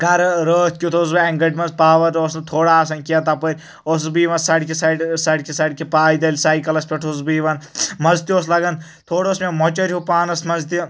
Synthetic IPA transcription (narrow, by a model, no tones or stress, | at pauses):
ɡɐɾɾəːt̪̚ʲkʲut̪ʰosbɨɐŋɡɐʈʲmɐnspaːʋɐɾoːsnɐt̪ʰoːɽaːs̬ɐnkijɐt̪ɐpɐɾʲ | osbiːʋɐnsɐɽʲkʲisɐɖsɐɽʲkisɐɽʲkʲipaːjd̪ɐlʲsaːjkɐlɐspʲeʈʰusbiːʋɐnmɐzt̪ioːslɐɡɐn | t̪ʰoːɽosmemɔt͡ʃɐɾʲɦupaːnɐsmɐzt̪i